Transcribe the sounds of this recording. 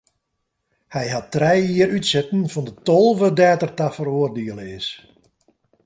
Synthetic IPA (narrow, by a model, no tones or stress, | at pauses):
hɛjɦatːrɛjiəɾytsɛtn̩fɔndətolˠvədɛːtərtafəroːərdeəlˠəɪs